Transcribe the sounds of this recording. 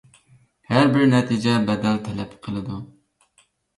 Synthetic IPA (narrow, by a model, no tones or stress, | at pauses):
hæɾbɪɾnɛt̪ʰid͡ʒɛbɛd̪ɛlt̪ʰɛlɛpqʰəlˠɨd̪u